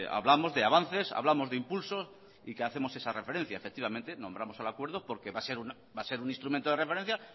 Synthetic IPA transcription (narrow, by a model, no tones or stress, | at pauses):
a̰βlamo̞zðe̞aβan̟θe̞sa̰βlamo̞zðeimpulso̞s | ikeaθe̞mo̞se̞sarʔefe̞ɾe̞n̟θjaefe̞k̚t̪iβamẽnt̪e̞nõ̞mbɾamo̞salakwe̞ɾð̞opo̞ɾke̞βase̞ɾuna | base̞ɾuninst̪ɾumẽnt̪oe̞refeɾẽn̟θja